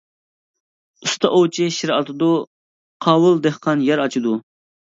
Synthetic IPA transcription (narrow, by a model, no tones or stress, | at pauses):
ust̪ʰɑʔowt͡ʃʰiʃiɾɑ̰t̪ʰɨd̪u | qʰɑːwɨlˠd̪ehqʰɑnjɛɾɑt͡ʃʰid̪u